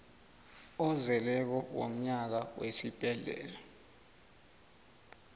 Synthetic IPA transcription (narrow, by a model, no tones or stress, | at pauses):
ɔzɛlɛk̬ɔwo̰m̩ɲak̬awesib̥ʱʼɛɮɛ̰ːla